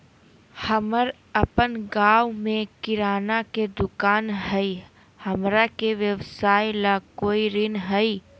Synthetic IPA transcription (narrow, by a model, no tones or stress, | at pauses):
həməɾ | əpənɡaːwmẽkɪɾaːnaked̪ʊkaːnɦəi | həmɾakeʋjəʋsaːjlakoːiɾɪnɦəi